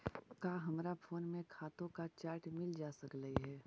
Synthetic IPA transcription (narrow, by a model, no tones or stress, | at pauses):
kaːɦɐmɾafʰoːnmẽkʰaːt̪õkat͡ʃaːɾʈmɪld͡ʒaːsəkləiɦɛː